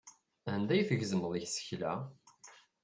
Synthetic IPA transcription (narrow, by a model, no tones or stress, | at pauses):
ænd̪æjθəʝzəməðˤiçsə̥çlæ̰